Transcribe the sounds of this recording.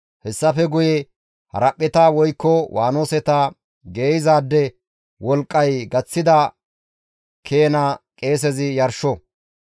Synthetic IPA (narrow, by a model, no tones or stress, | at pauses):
hɛsːɐfɛɡʊjɛ | hɐ̰ɾɐpʼːɛt̪ɐwɔjkːɔwʔaːno̞ːsɛt̪ɐ | ɡe̞ːjɪzaːd̪ːɛ | wɔlkʼːɐjɡɐt͡sːɪd̪ɐ | kʰeːnɐkʼe̞ːs̬ɛzɪjɐɾʃɔ